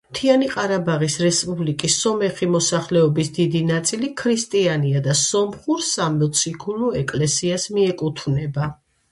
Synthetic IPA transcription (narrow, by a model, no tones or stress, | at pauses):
t̪ʰianiqʼaɾabaʁisɾɛspʼublikʼisːɔmɛχimɔsaχlɛɔbisd̪id̪inat̪sʼilikʰɾist̪ʼianiad̪asɔmχuɾsamɔt̪sʰikʰuluɛkʼlɛsiasmiɛkʼut̪ʰvnɛba